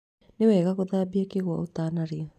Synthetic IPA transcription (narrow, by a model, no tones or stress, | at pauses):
newɛːɣaɣoðaːbiakeɣwa̰otaːnaɾea